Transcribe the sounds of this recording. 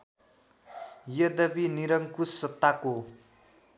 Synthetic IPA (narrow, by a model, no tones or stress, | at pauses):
jʌd̪ʌbiniɾʌŋkusʌt̪ːako